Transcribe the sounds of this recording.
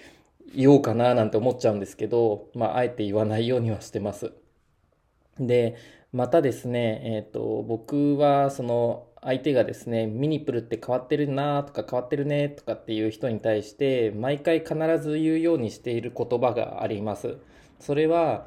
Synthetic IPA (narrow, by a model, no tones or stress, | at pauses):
ijo̞ːkananãnt̪e̞omo̞tt͡ɕaɯ̃nd̪e̞sɨ̥ke̞d̪o̞ma̰ʔae̞t̪ːe̞iβanaijo̞ːɲ̟iβ̞aɕi̥t̪e̞masɨ | d̪e̞ | mat̪ad̪e̞sɨne̞ːt̪ːo̞̰bo̞kɯ̟βaso̞no̞ait̪e̞ɡad̪e̞sɨne̞mʲiɲ̟ipːɯ̟ɾɯ̟t̪ːe̞kaβ̞at̪ːe̞ɾɯ̟nat̪o̞̥kakaβ̞at̪ːe̞ɾɯ̟ne̞t̪o̞̥kat̪ːe̞jɯ̟ːçi̥t̪o̞ɲ̟it̪aiɕi̥t̪e̞maikaikanaɾazɨjɯ̟ːjo̞ːɲ̟iɕi̥t̪e̞iɾɯ̟ko̞t̪o̞baɡa̰a̰ɾʲimasɨ̰ | so̞ɾe̞βa